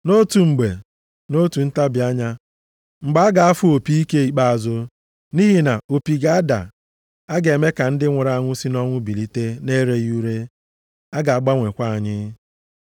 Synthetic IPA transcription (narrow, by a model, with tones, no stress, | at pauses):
no˦tu˨ŋ͡m̩˨ɡ͡be˨ | no˦tu˨n̩˦ta˦bi˨a˦ɲa˦ | ŋ͡m̩˨ɡ͡ba˦a˦ɡa˨a˦fʊ˦o˨pi˦i˦ke˦i˨k͡pa˦a˨zʊ˦ | ni˦ɦi˨na˨o˨pi˨ɡa˦a˦da̰˨ | a˦ɡe˨me˦ka˨n̩˦dɪ˦ŋʷʊ˨ɾa˨a˦ŋʷʊ˦si˦nɔ˦ŋʷʊ˦bi˨li˦te˦ne˦ɾe˦ju˦ɾe˦ | a˦ɡa˨a˨ɡ͡ba˦ŋʷe˨kʷa˦˨a˨ɲɪ˦